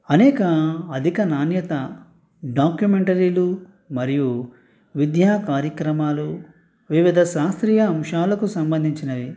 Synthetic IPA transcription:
ɐnɛːkɐɐd̪ʱikɐnaːnjɐt̪ɐ | ɖaːkjumeɳʈɐɾiːlu | mɐɾiju | ʋid̪jaːkaːɾjɐkɾɐmaːlu | ʋiʋid̪ʱɐʃaːst̪ɾiːjɐːmʂaːlɐkusɐmbɐnd̪ʱiɲt͡ʃinɐʋi

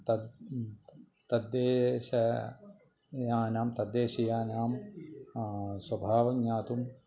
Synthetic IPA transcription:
t̪ɐ | t̪ɐd̪ːeːʃɐ | jaːnaːmt̪ɐd̪ːeːʃɐjaːnaːm | swɐbʱaːʋɐɡɲaːt̪um

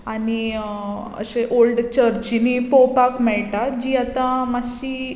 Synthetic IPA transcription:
ani | ə̰ɕeʔolɖt͡ɕəɾt͡ɕinipopakmɛɭʈad͡ʑiːat̪ãmaɕiː

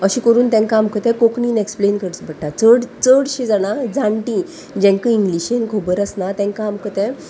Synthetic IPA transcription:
əɕĩkəɾuːnt̪ɛ̃ŋkaːmkət̪ɛ̃kokɳiːneksplenkəɽt͡sbəʈːat͡səɽt͡səɽɕed͡zaɽ̃ad͡zãɳʈĩ | d͡ʑɛ̃ŋkəiŋɡliɕenkʰobəɾəsnat̪ɛ̃ŋkaːmkət̪ɛ̃

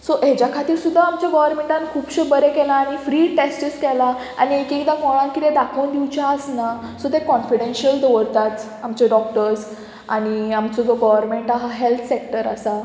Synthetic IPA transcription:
sɔʔɦed͡ʑjakʰat̪iːɾsud̪ʱːaamt͡ɕjaɡɔʋəɾmẽɳʈãnkʰuːpɕebəɾekɛlaːɽ̃ifɾiːʈesʈiskɛla | a̰ɽ̃iekikd̪akɔɭãnkit̪ed̪akʰəwnd̪iwt͡ɕaəsnasɔt̪ekɔnfiɽenɕəld̪əʋəɾt̪at͡s̪ | amt͡ɕeɖɔk̚ʈəɾs | aɽ̃iamt͡sɔd͡zɔɡɔʋəɾmeɳʈaɦaɦelt̪ʰsek̚ʈəɾa̰sa

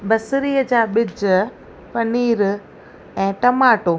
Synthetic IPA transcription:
bɐsɪɾiːəd͡ʑaːɓɪd͡ʑə | pɐniːɾ | ɛ̃ːʈɐmaːʈoː

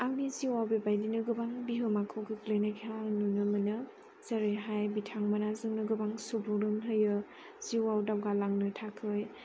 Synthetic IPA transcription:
aŋ̚niziwawbebajdinɯɡɯbaŋbiɦɯmakʰɯwɡɯklejnakʰeanunɯmɯnɯ | zaɾɯjɦajbitʰaŋmanazɯŋnɯɡɯbaŋsubuɾɯmɦɯjɯ | z̥iwawdawɡalaŋnɯtʰakʰɯj

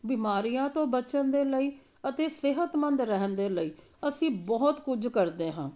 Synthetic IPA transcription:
bɪmaːɾijãːt̪õːbətːʃənd̪eːləiː | ət̪eːsɪɦət̪mənd̪ɾɛɦənd̪eːləiː | əsĩːbɔːt̪kʊd͡ʒkəɾd̪eːɦãː

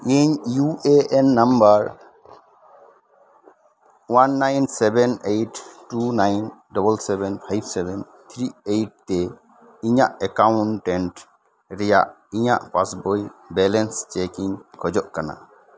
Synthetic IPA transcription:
eɲjueʔɛnːambaɾ | wanːajnsɛbɛnejʈːunajnɖɔbəlsɛbɛnpʰajbsɛbɛn | t̪ʰɾiejʈ̚t̪ɛ | iɲaʔɛkawɳʈɛɳʈ | ɾɛja̰ʔ | iɲa̰ʔpasbojbɛlɛnst͡ʃekiŋkʰɔd͡ʒɔʔkana̰

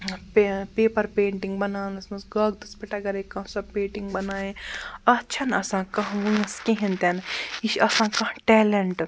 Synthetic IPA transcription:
pepeːpɐɾpeːɳʈiŋɡbɐnaːnɐsmɐsɡɐːɡ̚d̪ɐspɐʈɐɡɐɾekɐ̃sɐpẽːɳʈiŋɡbɐnaːjẽɐt͡ʃʰɐnɐsãːkɐ̃ɦʋunɐskẽɦĩnt̪ɐniʃɐsãːkɐ̃ʈɛːleɳʈ

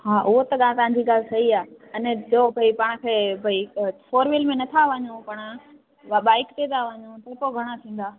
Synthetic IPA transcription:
ɦaːʔʊɦot̪ɐɠaːt̪ɐʋãɲd͡ʑiɡaːlɪsɐɦiaː | ɐnd͡ʑoːbʱɐipaːɽ̃ʊ̆kʰeːbʱɐifoːɾʋɪlmẽnɐt̪ʰaʋɐɲõpɐɽ̃ | ɓaːɪkt̪eːt̪aʋɐɲõt̪ɐpoɡʱɐɽ̃at̪ʰĩːn̆d̪aː

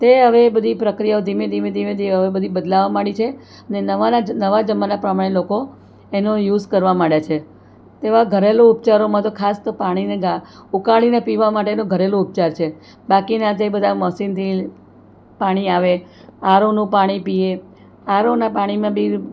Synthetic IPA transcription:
t̪eɦəʋebəd̪ʱipɾəkɾijaod̪ʱimẽd̪ʱimẽd̪ʱimẽd̪ʱiɦəʋebəd̪ʱibəd̪laʋamaɽit͡ʃʰe | ənenəʋaanəʋad͡ʒəmːanapɾəmaɽ̃eloko | enõjuzkəɾʋamaɽjat͡ʃʰe | t̪eʋaɡʱəɾeloupt͡ʃaɾomãt̪okʰast̪opaɽ̃ineɡaukaɭinepiʋamaʈ̬enõɡʱəɾelõʊp̚t͡ʃaɾt͡ʃʰe | bakinat̪ebəd̪ʱaməsint̪ʰi | paɽ̃iaʋe | aɾonũpaɽ̃ipie | aɾonapaɽ̃imãbʱi

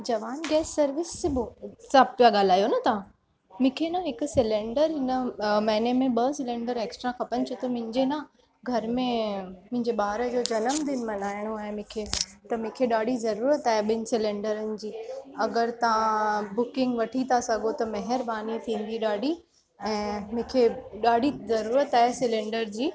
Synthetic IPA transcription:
d͡ʑɐʋaːnɡɛːsːɐɾʋɪsebʊsaːbpijaɠaːl̤aːjonɐt̪ɐã | mʊ̃kʰenɐɦɪkʊsɪlẽːɳɖəɾɦɪnəmɐːɪnemẽɓɐsɪlẽːɳɖəɾeːksʈɾakʰɐpənɪt͡ɕʰʊt̪ɐmʊ̃ɦɪ̃ɲd͡ʑenɐ | ɡʱɐɾmẽmʊ̃ɦɪ̃ɲd͡ʑeɓaːɦɾəd͡ʑoːd͡ʑɐnəmd̪ɪnmɐnaːɪɽ̃oaːɦemʊ̃kʰet̪ɐmʊ̃kʰeɗaːɖʱizɐɾuːɾət̪aːɦeɓɪnɪ̆sɪlẽːɳɖəɾənɪ̆d͡ʑiːɐɡəɾt̪ɐʋãbʊkɪ̃ŋɡʋɐʈʰit̪ʰasɐɡʱot̪ɐmɐɦɪɾbaːnit̪ʰĩːn̆d̪iɗaːɖʱi | ɛ̃ːmʊ̃ːkʰeɗaːɖʱizɐɾuːɾət̪aːɦesɪlẽːɳɖəɾd͡ʑiː

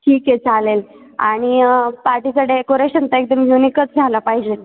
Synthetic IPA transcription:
ʈʰiːket͡salel | a̰ɽ̃ipaɾʈikəɖekoɾeɕənt̪aek̚d̪əmjunikət͡sd͡zʱalapaɦid͡ʑe

